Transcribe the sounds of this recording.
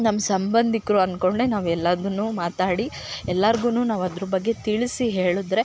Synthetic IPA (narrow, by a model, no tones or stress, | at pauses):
nɐmːɐsɐmbɐnd̪ʱikɾuɐnkoɳɽenaːʋɛlːɐd̪unːuːmaːt̪aːɽi | ɛlːɐɾɡuːnuːnaːʋɐd̪ɾubɐɡːe̞t̪iɭisiɦeːɭud̪ɾe̞